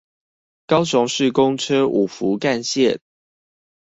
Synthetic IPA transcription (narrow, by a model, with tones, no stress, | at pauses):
kɑ˦ʊɕ̬ʊ˧˦ŋʂɻ̩˥˨kʊ˦ŋʈ͡ʂʰɤ˥ʔu˨˩fu˨˦ka˥˧nɕjɛ˥˨n